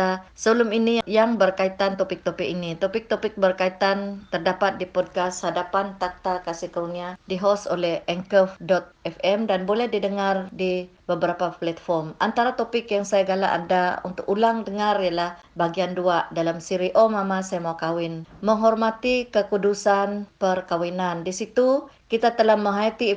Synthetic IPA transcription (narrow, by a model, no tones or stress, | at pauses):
asəbəlʊminijaŋbərkait̪ant̪opɪk̚t̪opɪkinit̪opɪk̚t̪opɪk̚bərkait̪ant̪ərdapat̪̚dipɔd̚kashadapant̪ak̚t̪akasɪhkəuniadiɦɔso̰lɛhɛŋkəfdɔt̪̚ɛfɛmdanbolɛhdidəŋardi | bəbəɾapaplat̪fɔrmʔant̪aɾat̪opɪkjaŋsajaɡalaʔa̰ndaṵnt̪ʊkulaŋdəŋarijalah | baɡianduaʔdalamsiɾiʔomamasajamaakawɪnməŋɦɔrmat̪ikəkudusanpərkawinandisit̪u | kit̪at̪əlahməŋɦajat̪i